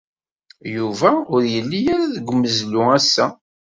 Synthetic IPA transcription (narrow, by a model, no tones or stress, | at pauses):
juvæʊɾjəlːijaɾaðəɡʷːmːəzlʊæsːæ